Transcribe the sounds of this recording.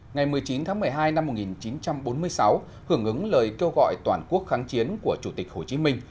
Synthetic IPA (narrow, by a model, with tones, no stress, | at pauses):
ŋa˨˩jmɨ˨˩əjt͡ɕi˨˦nt̪ʰaː˨˦ŋmɨ˨˩əjɦaː˧jna˧mːo˨˩t̚ŋi˨˩nt͡ɕi˨˦nt͡ɕa˧mɓo˨˦nmɨ˧əjsa˨˦w | hɨ˧˩əŋʔɨ˨˦ŋləː˨˩jke˧wɣɔ̰˧˨jt̪waː˧˩nku˦˥ək̚xaː˨˦ŋt͡ɕi˨˦ənku˧˩ət͡ɕu˧˩t̪ï˨˩k̟̚ho˧˩t͡ɕi˨˦mï˧ŋ̟